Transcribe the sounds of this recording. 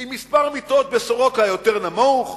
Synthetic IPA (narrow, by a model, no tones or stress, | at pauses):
imːispaʁmit̪o̞t̪̚besoʁo̞khajo̞t̪eʁnamuχ